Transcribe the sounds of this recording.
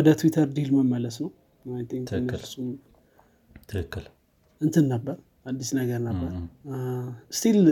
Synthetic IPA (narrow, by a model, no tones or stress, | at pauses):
wɔd̪ət̪ʰwit̪ʰəɾd̪ilməmːələsnəw | majt̪ʰĩŋkɨnsum | ɨkkːl | ɨnt̪ʰɨnːəbːəɾ | ad̪ːisnəɡəɾnəbːəɾ | st̪ʰil